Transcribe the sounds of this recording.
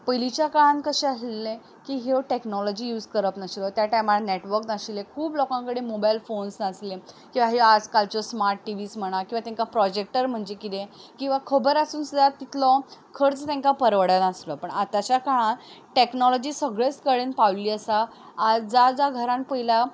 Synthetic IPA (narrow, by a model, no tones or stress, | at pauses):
pəjlit͡ɕjakaɭãnkəɕeaslele | kiːɦewʈeknɔlɔd͡ʑijuːd͡zkəɾəpnəɕlɔt̪jaʈajmaneʈʋəɾknaɕilekʰuːblɔkãŋkəɽemobajlfonsnaslẽ | kĩw̃ʋaɦead͡zkalt͡ɕɔsmaɾʈːiʋiːsm̤əɽ̃akĩʋat̪ẽŋkapɾɔd͡ʑek̚ʈəɾm̤əɳd͡zekit̪ẽkĩw̃ʋakʰəbəɾasuːnsud̪ʱat̪it̪lɔkʰəɾt͡st̪ẽŋkapəɾʋəɽanəslɔpəɳat̪at͡ɕakaɭãʈeknɔlɔd͡ʑiːsəɡɭet͡skəɭenpawliːəsaː | d͡zad͡zaɡʱəɾãnpəila